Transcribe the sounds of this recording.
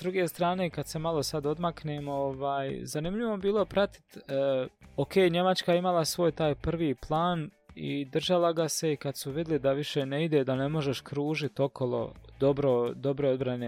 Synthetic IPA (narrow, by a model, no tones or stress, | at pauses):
d̪ɾuɡe̞ːst̪ɾaːne̞ːkad̪̥se̞malˠo̞sad̪o̞d̪makne̞ːmoʋaːjzanimʎiʋo̞biːlˠo̞pɾat̪i̥t̪ː | okʰeːjɲe̞mat͡ʃkaeimalˠasʋo̞ːjt̪aːjpr̩ʋiːplˠaːn | ḭd̪r̩ʒalˠaɡase̞ikad̪suʋid̪lid̪aʋiʃe̞neid̪e̞d̪ane̞mo̞ʒeʃkɾuːʒit̪o̞kʰo̞lˠo̞̰d̪obɾod̪o̞bɾood̪bɾane